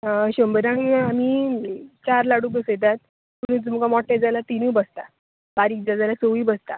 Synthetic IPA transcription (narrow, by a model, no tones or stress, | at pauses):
ɕəmbəɾãŋami | t͡ɕaɾlaɽuːbəset̪̬at̪ | pəɽ̃ũt̪um̤kamɔʈːed͡zalat̪inuːbəst̪a | b̥aɾiːk̚d͡zad͡zalat͡soʋiːbəst̪a